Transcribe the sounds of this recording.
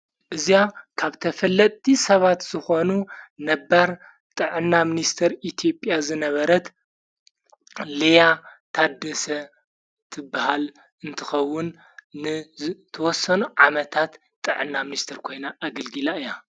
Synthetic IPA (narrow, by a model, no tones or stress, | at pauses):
ʔɨzijakʰaβt̪ʰɐfɐlːɐt̪ʼːisɐβat̪z̥ɨxo̞nunɐbːaɾ | t̪ʼɨʕɨnːamɨnist̪ʰɐɾʔit̪ʰjo̞pʼjazɨnɐβɐɾɐt̪ | lejat̪ʰad̪ːɐsɐ | t̪ʰɨbːahal | ɨnt̪ʰɨxɐwːʊnː | ɨt̪ʰɐwɔsːɐnuʕamɐt̪ʰat̪ | t̪ːʼɨʕɨnːamɨnist̪ʰɐɾkʰo̞jnaʔːɡɐlɡɨlaɨja